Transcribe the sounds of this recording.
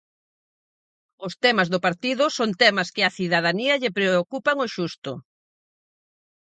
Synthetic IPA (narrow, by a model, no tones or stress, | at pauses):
ʊst̪ɛmɐzðʊpaɾt̪iðʊsont̪ɛmɐskɪɐθiðaðaniɐʎepɾeokupaŋoʃust̪ʊ̰